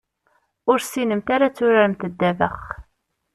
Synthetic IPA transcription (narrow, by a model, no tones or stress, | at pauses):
ʊɾsinəmt̪aɾat͡sːʊɾaɾəmt̪əd̪ːævə̰χ